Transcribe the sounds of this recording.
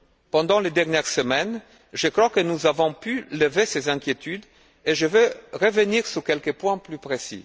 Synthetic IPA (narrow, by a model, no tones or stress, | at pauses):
pɑ̃d̪ɑ̃led̪ɛʁnjɛʁsəmɛn | ʒəkχwakənuzavɔ̃pyləvesezɛ̃kʲjet̪yd̪ | eʒəvøʁəvəniʁsukɛlkəpwɛ̃plypʁesḭ